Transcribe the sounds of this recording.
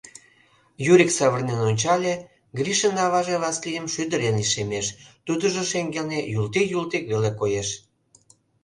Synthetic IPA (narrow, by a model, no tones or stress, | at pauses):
juɾʲiksɑβərnenonʲt͡ɕɑlʲe | ɡriʃənɑβɑʒeβlɑslijəmʃyd̪əɾenliʃemeʃt̪ud̪əʒoʃeŋɡelnejult̪ikjult̪ikβelekojeʃ